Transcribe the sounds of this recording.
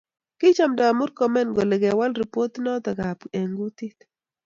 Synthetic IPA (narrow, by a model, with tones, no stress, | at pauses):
kɪ˦t͡ʃa˨mda˨mʊ˦ɾkɔ˨mɛ˦nɡɔ˨le˨ɡɛ˨wa˦lɾi˨po˦t̪nɔ˦t̪a˨ɡa˨pe˨ŋɡu˦t̪i˦t̪